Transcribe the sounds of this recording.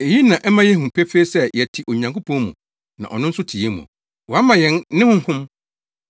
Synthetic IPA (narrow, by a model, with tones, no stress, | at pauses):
e˨ji˦nã˨ʔɛ˦mã˦jɛ˦hũ˨pʰe˦fe˦sɛ˦jɛ˨tʰi˨ʔo˨ɲã˨ŋkʊ˦pʰɔ̃˦mṵ̃˨ | nã̰˨ʔɔ̰˨nʊ̃˦n̩˦sʊ˦tʰi˨e˦mṵ̃˨ | wɔ˨a˦mã˨jɛ̃˨nːɪ̃˦hʊ̃˦ŋ˦hʊ̃˦m